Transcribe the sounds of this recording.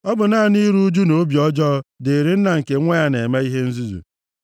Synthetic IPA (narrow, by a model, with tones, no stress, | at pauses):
ɔ˦bʊ˨na˦˨ni˦ɾu˦d͡ʒu˦no˨˦bjɔ˦d͡ʒɔ˦de˨ɾi˦n̩˦na˨ŋ̩˨ke˨˦ŋʷe˦a˦ne˨ma˦i˦ɦe˦n̩˦zi˦zṵ˨